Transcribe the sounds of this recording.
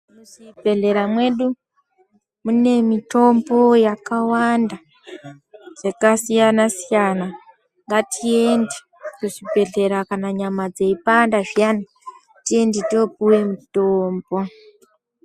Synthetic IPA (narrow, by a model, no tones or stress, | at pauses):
usibʱe̞ɮe̞ɾamwe̞ɗu | mune̞mito̞mbo̞jakawanda | ʐ̥ekasijanasijana | ŋɡatʰie̞nde | kuʐibʱe̞ɮe̞ɾakanaɲamad͡zeipandaʐijana | tie̞nditiop̚uwe̞mitoːmbo̞